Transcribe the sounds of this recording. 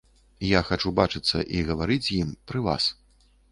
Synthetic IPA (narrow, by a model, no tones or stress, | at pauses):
jaxat͡ʂubat͡ʂɨt̪sːɐ̰ʔiɣɐvaɾɨt͡sʲjimpɾɨva̰s